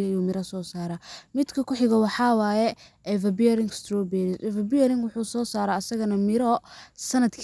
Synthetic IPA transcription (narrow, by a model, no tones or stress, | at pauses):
ɐjuːmɪɾɐsɔːsaːɾaːmɪd̪kʰɐkʰʊħɪɣɐwɑħɑːwaːjɛʔɛvɐbiɛɾɪŋɡst̪ʰɾɔːbɛɾɪsɛvɐbiɛɾɪŋɡwʊħuːsɔːsaːɾaːɐsɐɣɐnɐmɪɾɔsɐnɐd̪kʰ